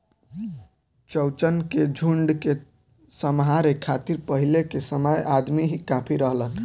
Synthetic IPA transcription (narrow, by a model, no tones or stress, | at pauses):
t͡ʃəwt͡ʃənked͡ʒʱuɳɖke | səmɦaɾekʰat̪iɾpəɦilekesəməjʔad̪miɦikapʰiɾəɦlən